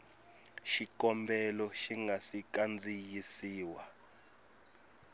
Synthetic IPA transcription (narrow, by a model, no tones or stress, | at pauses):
ʃikɔmbɛlɔʃiŋɡʱasik̬ʼand͡zʱijisiːwa